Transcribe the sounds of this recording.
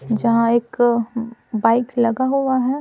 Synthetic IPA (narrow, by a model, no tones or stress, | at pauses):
d͡ʒɐɦãeːk | baːɪklɐɡaɦuaɦɛ